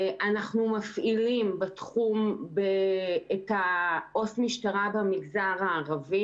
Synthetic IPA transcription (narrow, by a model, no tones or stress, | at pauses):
ʔanaχnumafʔilimbetχumbeetaʔo̞smiʃtaʁabamiɡzaʁaːʁavi